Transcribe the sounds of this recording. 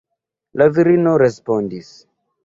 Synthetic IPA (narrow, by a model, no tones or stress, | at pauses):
laviɾinoɾespondis